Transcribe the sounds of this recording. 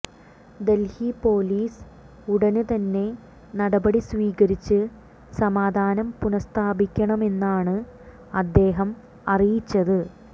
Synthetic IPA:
d̪e̞lhipo̞ːliːs | uɽɐnɨt̪ɐnːe̞ | nɐɽɐbɐɽisʋiːɣɐɾit͡ɕːɨ | sɐmaːd̪ʱaːnɐmpunɐst̪ʰaːbikʲːɐɳɐme̞nːaːɳɨ | ɐd̪ːe̞ːɦɐm | ɐrijit͡ɕːɐðɨ

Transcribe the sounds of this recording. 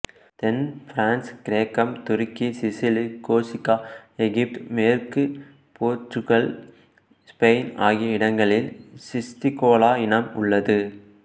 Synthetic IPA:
t̪ɛnfɾaːnskɪɾeːkɐmt̪ʊɾɪkːisɪsɪlikoːsɪkːaːɛɣɪp̚ʈmeːrkɯ | poːʈrɯɣɐɭ | spɐɪna̰ːɣɪjɐɪɽɐŋɡɐɭɪlsɪst̪ɪkoːlaːɪnɐmʊɭːɐðɯ

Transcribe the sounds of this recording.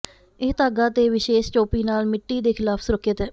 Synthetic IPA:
ɪɦt̪aːɡaːt̪eːʋɪʃeːʃt͡ʃoːpiːnaːlmɪʈːiːd̪eːkʰɪlaːpʰsʊɾəkʰːjət̪ɛː

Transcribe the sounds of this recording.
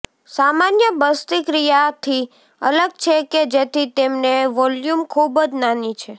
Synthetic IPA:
samanjəbəst̪ikɾijat̪ʰi | ə̰ləɡ̚t͡ʃʰeked͡ʒet̪ʰit̪emneʋɔljumkʰubəd͡ʒnanit͡ʃʰe

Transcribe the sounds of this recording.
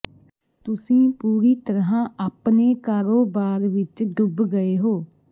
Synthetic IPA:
t̪ʊsĩːpuːɾiːt̪əɾɦãːʔaːpneːkaːɾoːbaːɾʋɪt͡ʃɖʊbɡəeːɦoː

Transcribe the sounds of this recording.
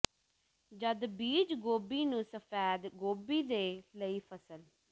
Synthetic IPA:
d͡ʒəd̪biːd͡ʒɡoːbiːnũːsəpʰɛːd̪ɡoːbiːd̪eːləiːpʰəsəl

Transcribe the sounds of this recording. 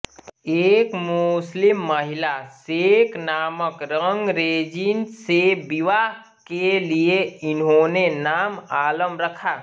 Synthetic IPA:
eːkmʊslɪmːəɦɪlaseknaːməkɾəŋɡɾed͡ʒinsebiʋa | kelieɪnɦonenaːmaːləmɾəkʰa

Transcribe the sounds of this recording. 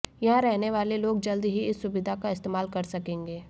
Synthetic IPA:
jɐɦãɾɛɦneʋaːleloːɡ̚d͡ʒɐld̪ɦiɪsːʊbɪd̪ʱakaɪst̪eːmaːlkɐɾsɐkẽːŋɡeː

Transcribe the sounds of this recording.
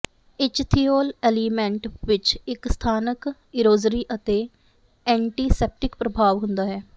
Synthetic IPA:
ɪt͡ʃt̪ʰiːoːlɛːliːmɛ̃ɳʈʋɪt͡ʃɪkst̪ʰaːnək | ɪɾoːzɾiːʔət̪eː | ɛ̃ːɳʈiːsɛːp̚ʈɪkpɾəbʱaːʋɦʊ̃nd̪aːɦɛː

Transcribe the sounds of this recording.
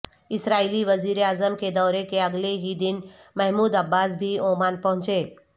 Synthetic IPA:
ɪsɾaːiːliʋɐziːɾeaːzəmked̪ɔːɾekeɐɡleɦid̪ɪnmɛɦmuːd̪ɐbːaːs̬bʱioːmaːnpɐɦʊ̃t͡ʃeː

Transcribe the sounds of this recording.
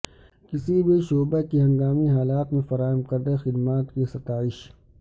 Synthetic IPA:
kɪsibʱiʃoːbekiɦɐ̃ŋɡaːmiɦaːlaːt̪mẽfɐɾaːɦəmqɐɾd̪exɪd̪maːt̪kisɐt̪aːɪʃ

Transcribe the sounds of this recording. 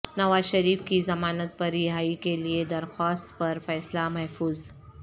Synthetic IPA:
nɐʋaːzʃɐɾiːfkizɐmaːnət̪̚pɐɾiɦaːikelied̪ɐɾxaːst̪pɐɾfɛːslamɐɦfuːz

